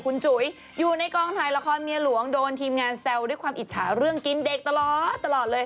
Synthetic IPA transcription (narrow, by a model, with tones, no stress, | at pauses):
kʰu˧nt͡ɕu˩˦j | juː˨˩na˧jkɔː˧ŋt̪ʰaː˧jla˧kʰɔː˧nmi˧əlu˨˩˦əŋdoː˧nt̪ʰiː˧mŋaː˧nsɛ˧wdu˥˩əjkʰwaː˧mʔi˨˩t̪̚t͡ɕʰa̰ː˩˦ɾɯ˥˩əŋki˧nde˨˩k̚t̪a˧lɔː˨˩t̪̚ːa˧lɔː˨˩t̪̚lɤː˧j